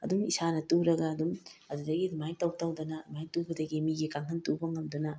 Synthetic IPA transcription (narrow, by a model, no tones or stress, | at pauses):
ɐ̰dumisanɐtuɾɐɡɐːdumɐdudɐɡidmajtɐwtɐwdɐnɐmajtuɡɐdɐɡimiɡikaŋɦʰɐntubɐŋɐmdunɐ